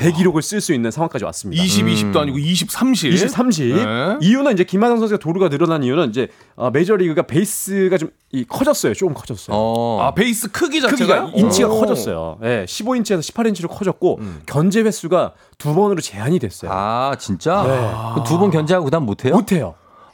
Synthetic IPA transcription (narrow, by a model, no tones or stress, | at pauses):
te̞ɡiɾoɡɯɭs͈ɯɭs͈uinːɯnsʰaŋwaŋk͈ad͡ʑiwa̰s͈ɯmɲidiaɕʰibiɕʰip̚t͈oaɲiɡoiɕ̬ʰip̚s͈ʰamɕʰiiɕis͈ʰamɕ̬ʰiijunɯnid͡ʑe̞kimadʌŋsʰʌns̬ʰɯatoɾuɡanɯɾʌnanniunɯnid͡ʑe̞ | ʌme̞d͡ʑʌɾiɡɯɡape̞is͈ɯɡat͡ɕom | ikʰʌd͡ʑʌs͈ʌjot͡ɕ͈okɯmkʰʌd͡ʑʌs͈ʌj̰a̰peis͈ɯkʰɯɡid͡ʑaɯɡɡaint͡ɕʰiɡakʰʌd͡ʑʌs͈ʌjo̰je̞ɕʰiboint͡ɕʰiesʰʌɕʰi̥pʰaɾeint͡ɕʰiɾokʰʌd͡ʑʌt̚k͈okjʌnd͡ʑe̞ɸwe̞s͈uɡa | tubʌnɯɾot͡ɕe̞aɲidwe̞s͈ʌja̰t͡ɕint͡ɕ͈ane̞kɯtubʌnkjʌnd͡ʑeɦaɡoɯdamːotʰe̞jomotʰe̞jo̰